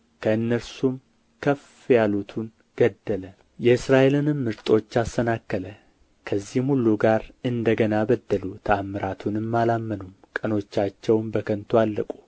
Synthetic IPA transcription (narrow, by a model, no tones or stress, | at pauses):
kʰəɨnːəɾsum | kʰəf | jalut̪ʰun | ɡ̥əd̪ːələ | jɛɨsɾaʔe̞lɨnɨmːɨɾt̪ʼo̞t͡ʃːast̪ʰənakːələ | kʰəzːihmhulːuɡaɾɨnd̪əɡənaβəd̪ːəlut̪ʰəamːɨɾʔat̪ʰunɨmːalamːənumkʼəno̞t͡ʃːat͡ʃːɛwmbəkʰənt̪ʰoalːəkʼu